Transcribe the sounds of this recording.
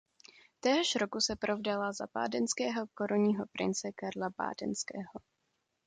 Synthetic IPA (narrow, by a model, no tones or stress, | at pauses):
t̪ɛːɦoʃɾokusɛpɾʔovdalaza̰ba̰ːdɛnskɛːɦokoɾoɲiːɦopɾʔɪ̰nt͡sɛkaɾlaba̰ːdɛ̰nskɛːɦo